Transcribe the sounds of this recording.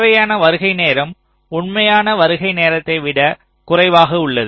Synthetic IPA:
ʋɐjaːnɐʋɐɾɯɣɐɪneːɾɐm | ʊɳmɐjaːnɐʋɐɾɯɣɐɪneːɾɐt̪ːɐɪʋɪɽɐ | kʊrɐɪʋaːɣɐʊɭːɐð

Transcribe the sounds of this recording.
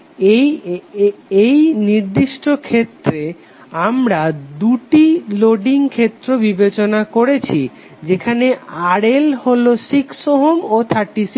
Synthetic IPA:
ej | ejniɾd̪iʃʈokʰet̪ːɾe | amɾad̪uʈiloɖiŋkʰet̪ːɾobibet͡ɕonakoɾet͡ɕʰi | d͡ʑekʰaneaɾelholoʃiksoɦomot̪ʰaʈis

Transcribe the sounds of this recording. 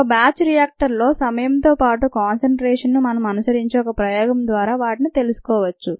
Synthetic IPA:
baːt͡ʃɾijaːk̚ʈɐɾlo̞ːsɐmɐjɐmt̪o̞ːpaːʈukaːnsɐɳʈɾɛːʂɐnːumɐnɐmɐnusɐɾiɲt͡ʃeɔkɐpɾɐjɔːɡɐmd̪ʋaːɾaːʋaːʈinit̪e̞lusu̥kɔːʋɐt͡ʃːu

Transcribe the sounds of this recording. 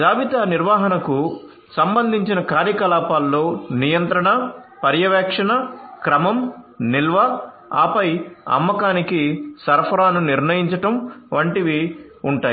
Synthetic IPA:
d͡ʒaːʋit̪aniɾʋaːɦɐnɐku | sɐmbɐnd̪ʱiɲt͡ʃinɐkaːɾjɐkɐlaːpaːlːoːnijɐnt̪ɾɐɳɐpɐɾjɐʋɛːkʂɐɳɐkɾɐmɐmnilʋɐ | a̰ːpɐjɐ̰mːɐkaːnikisɐɾpʰɐɾaːnuniɾnɐjiɲt͡ʃɐʈɐmʋɐɳʈiʋi | uɳʈaːi

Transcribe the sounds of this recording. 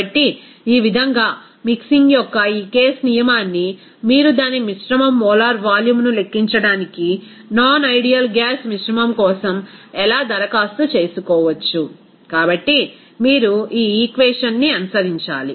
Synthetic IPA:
ɐʈːi | iːʋid̪ʱɐŋɡaː | miksiŋɡjɔkːɐiːkeːsnijɐmaːnːi | miːɾud̪aːnimiʂɾɐmɐmːɔːlaːɾʋaːljumnule̞kːiɲt͡ʃɐɽaːniki | naːnɐjɖijɐlɡjaːsmiʃɾɐmɐmkɔːsɐmɛlaːd̪ɐɾɐkaːst̪ut͡ʃe̞ːsukɔːʋɐt͡ʃːu | kaːbɐʈːi | miːɾuiːiːkʋeːʂɐnːiɐnusɐɾiɲt͡ʃa̰ːli

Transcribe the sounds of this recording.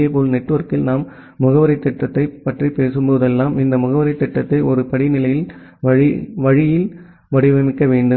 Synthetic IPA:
eɐpoːlnɛʈːɯʋɐɾkɪlnaːmː | ʊɣɐʋɐɾɐɪt̪ːɛʈːɐt̪ːɐɪpːɐʈripeːsɯmpoːðɛlːaːmɪnd̪ɐmʊɣɐʋɐɾɐɪt̪ːɛʈːɐt̪ːɐɪʔɔɾɯpɐɽɪnɪlɐjɪl | ʋɐɻɪʋɐɻɪjɪl | ʋɐɽɪʋɐmɪkːɐʋeːɳɖɯm

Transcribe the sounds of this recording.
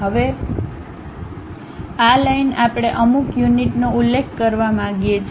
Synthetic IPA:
ɦəʋe | alajnapɽ̃eʔəmukjuniʈnoulːekʰkəɾʋamãɡijet͡ʃʰ

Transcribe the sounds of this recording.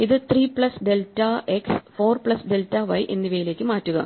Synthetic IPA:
iðɨt̪riːpɭɐsɖe̞ltːɐeksfo̞ːrpɭɐsɖeltːɐʋɐjʔenːiʋɐjile̞ːkʲːɨmaːtːuɣɐ̰

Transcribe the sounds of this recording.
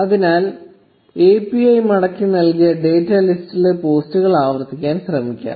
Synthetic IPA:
ɐðinaːl | eːpiɐjmɐɽɐkːinɐlkijɐɖe̞ːtːɐlistile̞po̞ːstuɣɐɭaːʋɐrt̪ːikʲːaːnɕrɐmikʲːa̰ːm

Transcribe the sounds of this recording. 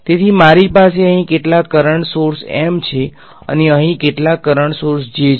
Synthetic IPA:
t̪et̪ʰimaɾipaseəɦĩkeʈlakːəɾəɳsoɾsḛmt͡ʃʰe | ə̰neəɦĩkeʈlakːəɾəɳsoɾsd͡ʒe

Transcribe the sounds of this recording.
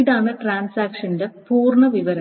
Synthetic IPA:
ɽaːɳɨʈraːnsaːkʂɐnde̞puːrɳɐʋiʋɐɾɐ

